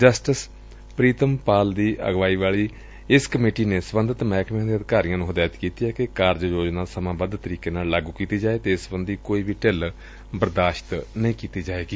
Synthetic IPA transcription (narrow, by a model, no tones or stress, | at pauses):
d͡ʒəsʈəs | pɾiːt̪əmpaːld̪iːʔə̰ɡʋaːiːʋaːɭiː | ɪskəmeːʈiːneːsbənd̪ət̪mɛːkmẽːd̪iːəd̪ɪkaːɾijãːnũːɦʊd̪aːjt̪kiːt̪iːɦɛːkekaːɾd͡ʒjoːd͡ʒnaːsəmãːbəd̪t̪əɾiːkeːnaːllaːɡuːkiːt̪iːd͡ʒaːeːt̪eːɪsbənd̪iːkoːiːbiːʈel | bəɾd̪aːʃt̪nəĩːkiːt̪iːd͡ʒaːeːɡiː